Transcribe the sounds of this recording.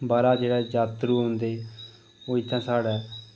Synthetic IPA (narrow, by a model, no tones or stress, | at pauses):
baːɾaːd͡ʒeːɽɛːd͡ʒaːt̪ɾuːɦõnd̪eː | oːɪt̪ʰːãːsaːɽɛː